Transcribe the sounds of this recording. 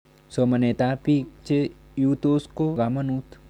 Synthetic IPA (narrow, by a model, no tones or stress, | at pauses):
somɐneːt̪aːpik̚t͡ʃe | jut̪oːskoɡamɐnut̪